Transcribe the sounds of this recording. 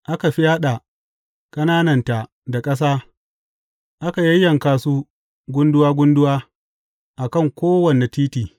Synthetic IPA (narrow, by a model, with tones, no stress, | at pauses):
ʔa˦ka˨ɸi˦jaː˦ɗa˨ | kʼɐ˦naː˦nɐ˨nta˨ | da˨kʼɐ˦s̬aː˦ | ʔa˦ka˨jɐ˦jːɐ˨ŋkaː˨suː˦ | ɡʷʊ˦ndʊ˦waː˦ɡʷʊ˦ndʊ˦waː˦ | ʔa˨kɐ˦˨ŋkʷoː˦wɐ˨ne˨tiː˦tiː˨